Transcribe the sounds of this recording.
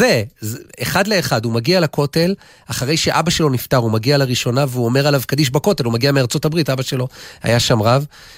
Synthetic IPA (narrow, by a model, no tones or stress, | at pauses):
ezeχadle̞ːχadumaɡialako̞te̞l | aχaʁe̞jʃe̞ʔabaʃe̞lo̞niftaʁumaɡialaʁiʃo̞naveuome̞ʁalavkadiʃ̬bako̞te̞lumaɡiameaʁt͡so̞tabʁitabaʃe̞lo̞a̰jaʃamʁav